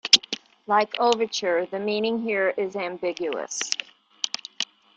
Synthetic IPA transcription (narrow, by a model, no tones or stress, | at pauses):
laɪkʰoʊvə˞t͡ʃə˞ðɨmĩnɪ̃ŋɦiɹɪzæ̃mbɪɡjʉə̰s